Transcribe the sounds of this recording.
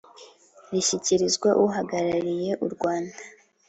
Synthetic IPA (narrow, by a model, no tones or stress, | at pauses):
ɾiçiciɾizɡwaʔuɦaɡaɾaɾije̞ʔuɾɡwaːnda